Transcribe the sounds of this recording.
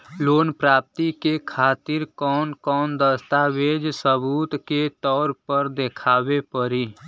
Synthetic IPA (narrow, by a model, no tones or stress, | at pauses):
loːnpɾaːp̚t̪ikekʰaːt̪ɪɾkɔːnkɔːnd̪əst̪aʋeːd͡ʒsəbuːt̪ket̪ɔːɾpəɾd̪ekʰaːwepəɾiː